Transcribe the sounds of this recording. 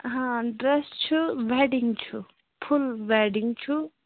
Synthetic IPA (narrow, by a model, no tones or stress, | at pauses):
ɦãɖɾest͡ʃʰuʋeɖiŋt͡ʃʰu | pʰulʋeɖiŋɡt͡ʃʰu